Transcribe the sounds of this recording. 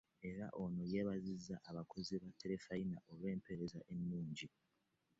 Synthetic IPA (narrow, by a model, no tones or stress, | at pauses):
e̞ɾa̰ʔo̞no̞jeːβazizːaʔaβakʰo̞ziβatʰːe̞ɾe̞fainaʔo̞βwe̞ːmpe̞ɾe̞zaʔe̞nːuːɲɟi